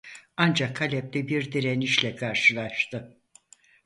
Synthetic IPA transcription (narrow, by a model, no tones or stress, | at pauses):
and͡ʒakʰalʲɛp̚t̪ɛbiɾd̪iɾeniʃlʲɛkʰaɾʃɯlˠaʃt̪ɯ